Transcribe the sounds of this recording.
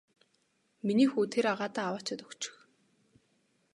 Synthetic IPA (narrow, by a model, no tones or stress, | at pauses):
miniːxuːt̪ʰeɾaʁaːt̪aːwaːt͡ɕɪ̆t̪ɵkt͡ɕɪ̥̆x